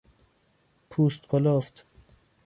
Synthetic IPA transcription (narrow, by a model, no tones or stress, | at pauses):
pʰuːst̪qʰolɔft̪